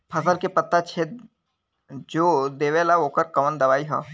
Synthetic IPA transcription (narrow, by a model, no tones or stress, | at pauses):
pʰɐsəlkepɐt̪ːat͡ʃʰe | d͡ʒoːd̪eːʋelaoːkəɾkɐʋənd̪ɐʋaːiɦɛ̰ː